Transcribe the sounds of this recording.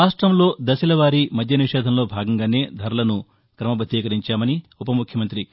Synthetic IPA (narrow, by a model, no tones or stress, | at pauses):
aːʂʈɾɐmlo̞ːd̪ɐsilɐʋaːɾimɐd̪ʱjɐniʂɛːd̪ʱɐmlo̞ːbʱaːɡɐŋɡaːne̞ːd̪ʱɐɾɐlɐnu | kɾɐmɐbɐd̪ʱːiːkɐɾiɲt͡ʃaːmɐniupɐmukʰjɐmɐnt̪ɾi